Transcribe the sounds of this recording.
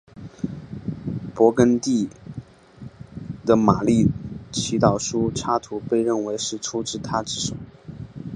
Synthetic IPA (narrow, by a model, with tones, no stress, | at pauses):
pwɔ˧˥kə˥nt̪i˥˩ | d̪ə˩ma˨˩li˥˩t͡ɕʰi˧˥t̪ɑ˨˩ʊʂu˥ʈ͡ʂʰa˥t̪ʰu˧˥pe˥˧ɪɻə˥˩nwe˧˥ɪʂɻ̩˥˩ʈ͡ʂʰu˥ʈ͡ʂɻ̩˥˩t̪ʰa˥ʈ͡ʂɻ̩˥˩ʂo˨˩˦ʊ